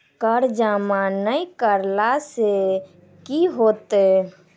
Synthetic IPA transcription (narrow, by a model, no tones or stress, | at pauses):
kəɾd͡ʒamanəikəɾlase | kiɦot̪e